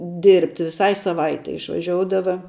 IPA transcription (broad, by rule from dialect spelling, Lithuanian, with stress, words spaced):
dʲɪrʲpʲtʲ ʋʲɪˈsɐɪ sɐˈʋɐɪtʲɛɪ ɪʃʋɐˈʒʲoːʊdɐʋɐ